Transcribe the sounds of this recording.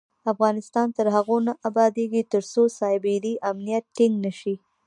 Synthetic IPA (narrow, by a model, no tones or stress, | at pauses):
afɣɑnɪst̪ɑnt̪əɾɦaɣonaʔabɑd̪eɡit̪əɾsosɑɪbɪɾiʔamnijat̪̚ʈɪŋɡnəʃi